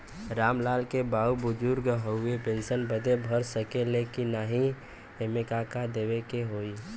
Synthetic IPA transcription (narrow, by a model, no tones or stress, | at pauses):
ɾaːmlaːlkebaːubʊd͡ʒʊɾɡɦəʊepẽːnʃənbəd̪ʱebʱəɾsəkelekinaːɦĩ | emekakad̪eːʋekeɦoːi